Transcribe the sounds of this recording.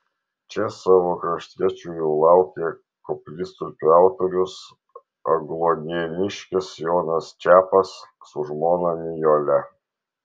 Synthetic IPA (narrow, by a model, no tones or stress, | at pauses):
t͡ʃʲɛsɑːʋoːkɾɐʃʲt̪ʲiɛt͡ʃʲuːjɛʊlˠɑˑʊkʲeː | kɔpʲlʲɪst̪upʲæˑʊt̪oɾʲʊs | ɐɡlˠod̪ʲɛnʲɪʃʲkʲɪsjɔːnɐst͡ʃʲæːpɐsːʊʒmoːnɐmʲɪjoːlʲɛ